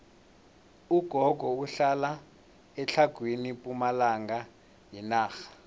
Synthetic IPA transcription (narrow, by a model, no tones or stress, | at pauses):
uɡ̥ʱɔɡ̥ʱɔuɬala | ɛt͡ɬʰaɡ̥ʱwinipʼumalaŋɡa | jinaːxḁ